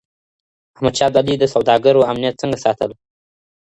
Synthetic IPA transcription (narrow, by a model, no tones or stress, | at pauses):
ahmad̪ʃɑd̪alid̪əsawd̪ɑɡəɾoamnijat̪̚t͡səŋɡasɑt̪əl